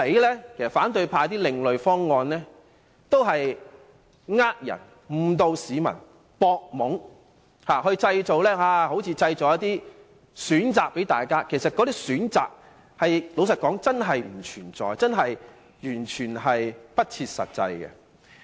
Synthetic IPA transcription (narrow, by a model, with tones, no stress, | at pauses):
e˨˥jlɛː˥kʰe˨˩sɐ˨˩faː˨˥nt̪ɵ˧ɥpʰaː˧jt̪iː˥lɪ˨˧ŋlɵ˨ɥfɔː˥ŋːɔː˧nlɛ˥ | t̪o˥wɦɐ˨j | ŋaː˥k̚jɐ̰˨˩n | m̩˨˩t̪o˧wsiː˨˧mɐ̰˨˩n | pɔː˧k̚mʊ˨˥ŋ | haː˨˩hɵ˧ɥt͡sɐ˧jt͡so˨wlɛː˥haː˧ho˨˥wt͡sʰiː˧t͡sɐ˧jt͡so˨wjɐ˥t̪iː˥ | syː˨˥nt͡saː˨k̚pe˨˥jt̪a̰ː˨jkaː˥kʰe˨˩sɐ˨t̚kɔ˨˧t̪iː˥syː˨˥nt͡sa̰ː˨k̚ | hɐ˨jlo˨˧wsɐ˨t̚kɔː˨˥ŋt͡sɐ˥nɦɐ˨jm̩˨˩t͡ʃʰyː˨˩nt͡sɔ̰ː˨˧jt͡sɐ˥nɦɐ˨j | jyː˨˩nt͡ʃʰyː˨˩nɦɐ˨jpɐ˥t̚t͡sʰiː˧t̚sɐ̰˨t̚t͡sɐ̰˧jɡɛ̰˧